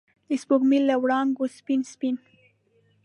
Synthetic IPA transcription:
d̪espokmilːawɽɑŋɡospinspin

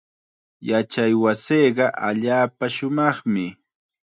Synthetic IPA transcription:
jat͡ʃajwasejɢɑʔaʎaːpaʃʊmɑχmɪ

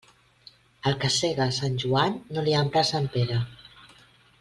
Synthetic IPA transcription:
əlˠkəseɣasanʲʒuanːoliampɾasampeɾə

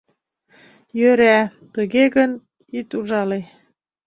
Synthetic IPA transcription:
jøɾæt̪əɣeɣən | it̪uʒɑle

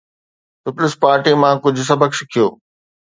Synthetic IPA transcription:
pɪpʊlɪspaːɾʈimãːkʊd͡ʑʱʊ̆s̬ɐbʱəkʃɪkʰijoː

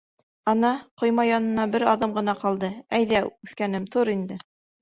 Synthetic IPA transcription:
ɑnɑqŏjmɑjɑnɤ̆nɑbɘɾɑðɤmɢɤ̆n̪ɑqɑlˠd̪ɤæjðæʉθkænɘmt̪uɾind̪ɘ

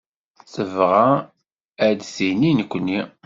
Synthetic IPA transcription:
θəvʁa | æd̪sininəkʷːnːi

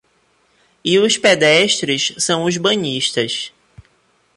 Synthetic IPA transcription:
ɪʊsped̪ɛʃt̪ɾɪssɐ̃w̃ʊzbɐ̃ɲiʃt̪ɐs

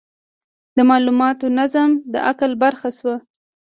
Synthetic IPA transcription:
d̪əmɑlumɑt̪onazamd̪ə̰ʔakəlbaɾxaʃwa

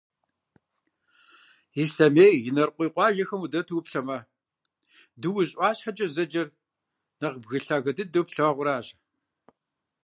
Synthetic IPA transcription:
isɐmeːjjɪnɐrqʷiːqʷɑːʒɐxɐmudɐtʰuːpɬɐmɐ | dɨwʊɕʼʷɑːɕħat͡ʃʼɐzɐd͡ʒɐr | nɐqbɣɨɬaːɣɐdɨdowpɬɐɐʁʷʊɾaːʑ

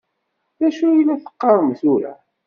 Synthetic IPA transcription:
ðæʃujlːæθə̥qːɑɾˤəmθuɾæ̰

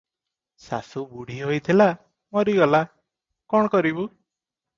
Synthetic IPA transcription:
sa̰subuɽ̤ʱiɦojt̪ʰila | mɔɾiɡɔla | kɔɽ̃ɔkɔɾibu

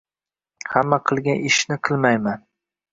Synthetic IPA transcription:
hamːaqʰɨlˠɡʲanʔɪʃnɪqʰɨlˠmajman

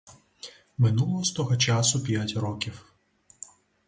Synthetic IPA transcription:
mɪnulˠɔɦɔst̪ɔɦɔt͡ʃasʊpʲjatʲrɔkʲiw

